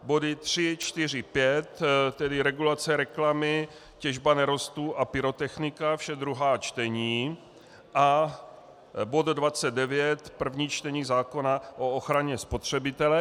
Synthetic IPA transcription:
bo̞dɪt̪r̝̥ɪt͡ʃt̪ɪr̝ɪpjɛt̪t̪ɛdɪɾɛɡulat͡sɛɾɛklamɪ | cɛʒbanɛɾo̞st̪uʔapɪɾo̞t̪ɛxnɪkafʃɛd̪ɾuɦaːt͡ʃt̪ɛɲiː | ʔa | bo̞d̪dvat͡sɛd̪̚dɛvjɛt̪pr̩vɲiːt͡ʃt̪ɛɲiːzaːko̞naʔooxɾaɲɛspo̞t̪r̝̥ɛbɪt̪ɛlɛ

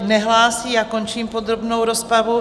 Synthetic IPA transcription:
nɛɦlaːsiːakont͡ʃiːmpod̪ɾobnowɾospɾavu

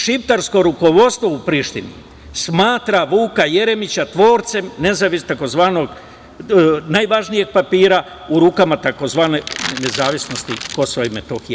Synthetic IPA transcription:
ʃipt̪aɾsko̞ɾuko̞ʋo̞t̪st̪ʋoupɾiːʃt̪inḭ | smaːt̪ɾaʋuːkaje̞ɾe̞mit͡ɕat̪ʋo̞ːɾt̪semne̞zaʋist̪ako̞zʋaːno̞ɡ | najʋaʒnije̞ɡ̚papiːɾa | uɾuːkamat̪ako̞zʋaːnenezaːʋisno̞st̪iko̞soʋoaimet̪oxije

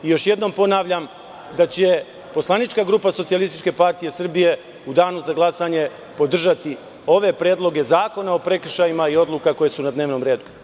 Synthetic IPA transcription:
ijo̞ʃje̞d̪no̞mpo̞naːʋʎam | d̪at͡ɕe | po̞slˠanit͡ʃkaɡɾuːpaso̞t̪sijalist̪it͡ʃke̞paɾt̪ije̞sr̩bije̞ | ud̪aːnuzaɡlˠasaɲe̞ | po̞d̪r̩ʒat̪i | o̞ʋe̞pɾe̞ːd̪lˠo̞ɡe̞zaːko̞nao̞pɾe̞kr̩ʃajimaio̞d̪lˠukako̞je̞sunad̪neːʋno̞mɾe̞ːd̪u

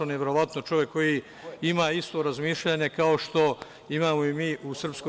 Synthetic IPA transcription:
oneʋeɾo̞ʋat̪no̞t͡ʃo̞ʋjekːo̞jiː | imaːist̪o̞ɾazmiːʃʎaɲe̞kaoʃt̪o̞ | imaːmoimiːʔusr̩psko

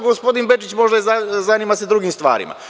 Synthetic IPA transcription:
ɡospo̞d̪inbe̞t͡ʃit͡ɕmo̞ʒd̪azzanimased̪ɾuɡimst̪ʋa̰ːɾḭma̰

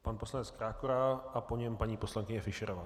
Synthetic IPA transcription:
panpo̞slanɛt͡skɾaːkoɾaʔapoɲɛmpaɲiːpo̞slaŋkɪɲɛfɪʃɛɾovaː

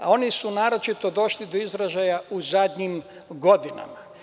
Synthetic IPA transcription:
ao̞nisunaːɾo̞t͡ʃit̪o̞d̪o̞ʃlid̪o̞izɾaʒajauzad̪ɲiːm | ɡo̞d̪ina̰ma

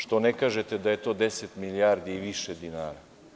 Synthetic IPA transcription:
ʃt̪onɛkaʒɛt̪ɛd̪ajet̪od̪esɛt̪miliaɾd̪iːʋiʃɛd̪inaːɾa

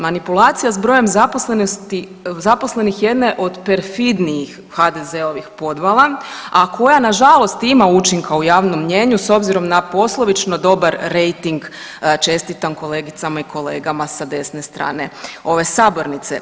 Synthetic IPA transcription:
manipulˠaːt̪sijazbɾo̞je̞mzaposlenost̪i | zapo̞sle̞nixje̞d̪neʔo̞d̪pe̞ɾfid̪nijix | had̪e̞ze̞o̞ʋixpo̞d̪ʋalˠaakʰo̞janaʒalˠo̞st̪imaut͡ʃiŋkaujaːʋno̞mːɲe̞ɲuso̞bziɾo̞mnapo̞slˠoʋit͡ʃno̞d̪o̞baɾːe̞jt̪iŋɡ | t͡ʃe̞st̪it̪anko̞le̞ːɡit̪samaiko̞le̞ːɡamasad̪e̞sne̞st̪ɾa̰ːne̞o̞ʋe̞saːbo̞ɾnit̪se̞̰

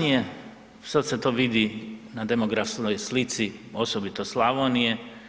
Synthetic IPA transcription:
ije | saset̪oːʋid̪inad̪emoɡɾafskojslit̪siosobit̪oslˠaʋonije

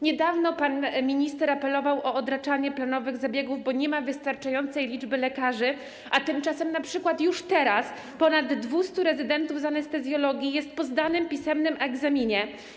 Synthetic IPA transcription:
ɲɛd̪avnɔpanmʲiɲist̪ɛɾapɛlɔvawʔɔɔd̪ɾat͡ʂaɲɛplanɔvɘɣzabʲjɛɡuvbɔɲɛmavɘst̪aɾt͡ʂajɔnt̪sɛjlʲid͡ʐbɘlɛkaʐɘ | ʔat̪ɘmt͡ʂasɛmnapʂɘkwat̪juʂt̪ɛɾas | pɔnad̪ːvust̪uɾɛzɘd̪ɛnt̪uvzanɛst̪ɛzʲjɔlɔɡʲjijɛst̪pɔzd̪anɘmpʲisɛmnɘmʔɛɡzamʲiɲɛ

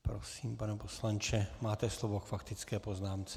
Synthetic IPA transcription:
pɾosiːmpanɛposlant͡ʃɛmaːt̪ɛslovokfakt̪ɪt͡skɛːpo̞znaːmt͡sɛ

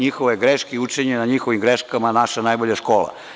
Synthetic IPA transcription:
ɲixoʋeɡɾeʃkeut͡ʂeɲenaɲixoʋimɡɾeʃkamanaʃanajboʎaʃkoːla̰

